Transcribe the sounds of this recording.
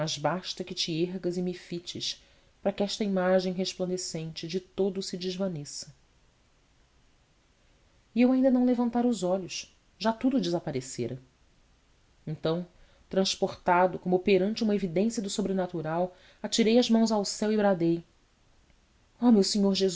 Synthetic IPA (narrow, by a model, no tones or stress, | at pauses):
mɐzbaʃt̪ɐkɪt͡ʃɪeɦɡɐzɪmɪfit͡ʃɪʃ | pɾɐkɪɛʃt̪ɐimaʒẽj̃ɦeʃplɐ̃nd̪esẽnt͡ʃɪd͡ʒɪt̪od̪ʊsɪd͡ʒɪʒvɐnisɐ̥ | ɪewaĩd̪ɐnɐ̃w̃levɐ̃nt̪aɾʊzɔʎʊʃ | ʒat̪ud̪ʊd͡ʒɪzapaɾeseɾɐ | ẽnt̪ɐ̃w̃ | t̪ɾɐ̃ʃpoχt̪ad̪ʊkõmʊpeɾɐ̃nt͡ʃɪũmɐevid̪ẽsijɐd̪ʊsobɾenat̪uɾaw | at͡ʃiɾejɐzmɐ̃w̃zawsɛwibɾad̪ej | ɔmewsiɲoɾʒez